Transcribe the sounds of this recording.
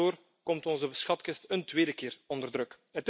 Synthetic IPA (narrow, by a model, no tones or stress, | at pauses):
oːr | kɔmtɔnzəbəsxɑtkɪstəntweːdəkɪːrɔndərdrɵk | ət